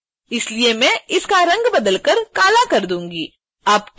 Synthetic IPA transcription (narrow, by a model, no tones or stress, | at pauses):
ɪsliemɛ̃ɪskaɾɐ̃ŋɡbɐd̪əlkəɾkaːlakɐɾd̪ũːŋɡiː | ɐb